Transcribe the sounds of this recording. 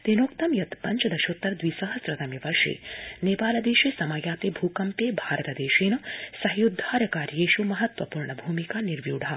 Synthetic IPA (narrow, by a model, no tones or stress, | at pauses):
t̪enoːkt̪ɐmjɐt̪pɐɲt͡ʃɐd̪ɐʃoːt̪ːɐɾd̪ʋiːsɐɦɐsɾɐt̪ɐmjɐʋɐɾʃḛːneːpaːlɐd̪eːʃesɐmɐjaːt̪eːbʱuːkɐmpeːbʱaːɾɐt̪ɐd̪eːʃiːnɐsɐɦijud̪ʱːaːɾɐkaːɾjeːʃumɐɦɐt̪ʋɐpuːɾɳɐbʱuːmikaːniɾʋjuːɖʱa